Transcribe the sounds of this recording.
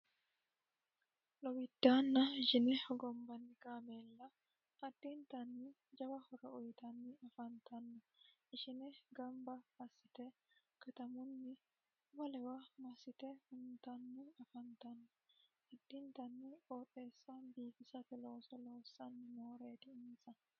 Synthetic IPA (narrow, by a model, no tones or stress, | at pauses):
lɔwɪd̪̥ːaːnːɐɪʃɪnɛhɔɡɔmbɐnːɪkaːmelːɐ | ʔɐd̪̥ːɪnt̪ɐnːɪ | d͡ʒɐwɐhɔɾɐʊjt̪ɐnːɪɐfɐnt̪ɐnːɐʔɪʃɪnɛɡɐmbɐɐsːɪt̪ɛ | kɐt̪ɐmʊnːɪ | mɐlɛwɐmɐsɪt̪ɛhʊnt̪ɐnːɪɐfɐnt̪ɐnːɐhɐd̪ːɪnt̪ɐnːɪʔoːᶑe̞ːsːanbiːfɪsɐfɪlo̞ːsɔlo̞ːsːɐnːɪmoːɾe̞ːt̪ɪɪnsɐ